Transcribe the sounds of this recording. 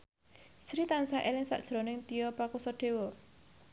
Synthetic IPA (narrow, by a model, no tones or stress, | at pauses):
sɾit̪ansaʔelɪŋsa̰ʔd̥ʒ̥ɾɔnɪŋt̪ijɔpakusɔɖ̥e̤wɔ